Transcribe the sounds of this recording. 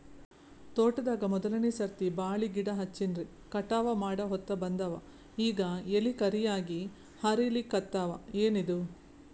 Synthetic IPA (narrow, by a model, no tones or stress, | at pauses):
t̪oːʈːɐd̪aːɡɐmɔd̪ɐlɐnisɐɾt̪ibaːɭiɡiɽɐɦɐt͡ʃːinɾi | kɐʈaːʋɐmaːɽɐɦɔt̪ːɐbɐnd̪ɐʋɐ̰ | iːɡɐelikɐɾijaːɡi | hɐɾilikɐt̪ːaːʋɐeːnid̪u